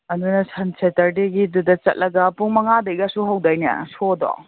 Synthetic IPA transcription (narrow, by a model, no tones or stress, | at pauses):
ɐnunɐsʰɐnsʰetɐɾdeɡidudɐt͡ʃɐ̰t̚lʔɐɡɐpuŋmɐŋadɐjɡasuɦawdajnɐ̰sodɔ̰